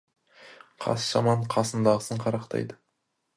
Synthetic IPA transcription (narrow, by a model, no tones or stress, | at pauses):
qʰɑ̰sʒɑmɑɴqʰɑsənd̪ɑʁəsəɴqʰɑɾɑqt̪ʰɑ̰jd̪ə